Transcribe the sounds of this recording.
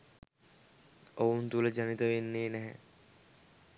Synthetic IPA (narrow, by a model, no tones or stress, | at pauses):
owunt̪uləd͡ʒanit̪əʋenːeːnɛɦɛ̰